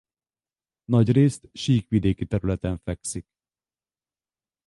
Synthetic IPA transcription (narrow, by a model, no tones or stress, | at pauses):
nɒɟreːst̪ʃiːkʋid̪eːkit̪ɛɾylɛt̪ɛɱfɛksik